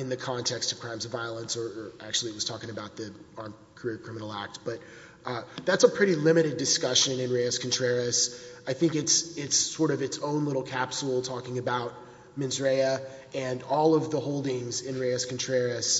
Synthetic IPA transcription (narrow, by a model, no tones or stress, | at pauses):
ɨ̃nðɨkʰɑ̃ntʰɛkstʌv̥kʰɹ̥ãɪ̃mzʌvaɪəlˠə̃nsə˞ə˞ʔæk̚t͡ʃʉl̩ˠiɨt̚wʌz̥tʰɔkɪ̃ŋɨbaʊt̪̚ðiɑɹm | kʰə˞ɪɹkʰɹ̥ɪ̃mənl̩ˠæ̰k̚t̚b̥ʌt̪̚ | ðætsəpʰɹ̥ɪɾilɪ̃mɨɾɨdɨskʌʃɨ̃nɨ̃nɹeɨskn̩tʰɹ̥ɛɹɨsaɪθɪ̃ŋkɨtsɪtsɔɹɾʌvɨtsõʊ̃nlɪɾl̩ˠkʰæpsl̩ˠtʰɔkɪ̃ŋɨbaʊt̚ | mɪ̃nzə˞eɪɨ | ɨ̃nɔlˠʌvðəhoʊlˠdɪ̃ŋzɪ̃nɹeɪɨskn̩tʰɹ̥ɛɹɨs